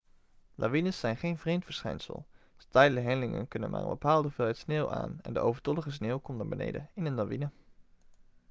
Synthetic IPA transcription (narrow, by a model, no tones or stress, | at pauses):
lʔa̰ʋinəsːɛjnχejnvrejmtfəɹsχɛjnsə̰lˠ | stɛjdələɦɛnlɪŋə̰nkɵnə̰nmʔa̰ːɹbəpaːlˠdəvɪlɛjtsneːwʔa̰ːnɛ̰ndə̰o̰wvəɹtɔləχəs̬neːwkɔmtnaːɹbənḛjdəɪnənlaʋinə